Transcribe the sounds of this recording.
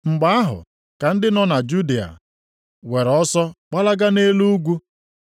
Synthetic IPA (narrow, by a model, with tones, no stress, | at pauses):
ŋ͡m̩˨ɡ͡ba˦a˦ɦʊ̰˨ | ka˨n̩˦dɪ˦nɔ˦na˨d͡ʒu˦di˨a̰˨ | we˨ɾɔ˦sɔ˦k͡pa˦la˦ɡa˦ne˦lu˦ɡʷu˦